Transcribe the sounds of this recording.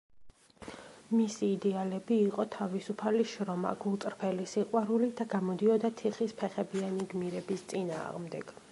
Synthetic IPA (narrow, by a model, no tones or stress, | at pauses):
misiːd̪ɛalɛbiːqʼɔt̪ʰavisupʰaliʃɾɔma̰ɡulˠt̪sʼɾpʰɛlisiqʼwaɾulid̪aɡamɔd̪iɔd̪at̪ʰiχispʰɛχɛbianiɡmiɾɛbist̪sʼina̰ːʁmd̪ɛɡ̥